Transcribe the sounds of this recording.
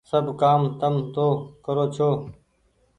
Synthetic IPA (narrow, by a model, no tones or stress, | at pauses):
səbkaːmt̪əmt̪oːkəɾoːt͡ʃʰoː